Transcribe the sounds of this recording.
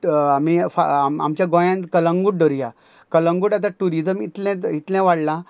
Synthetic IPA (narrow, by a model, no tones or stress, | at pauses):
amifa̰ma̰mt͡ɕjaɡõjãnkələŋɡuʈ̚ɖɔɾja | kələŋɡuːʈat̪ãʈuɾid͡zəmit̪lɛ̃it̪lãʋaɽlã